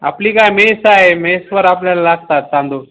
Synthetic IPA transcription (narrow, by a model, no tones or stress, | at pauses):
a̰pliːkajmesajemesʋəɾap̬ljalalaɡ̚t̪at̪sãnd̪ʱo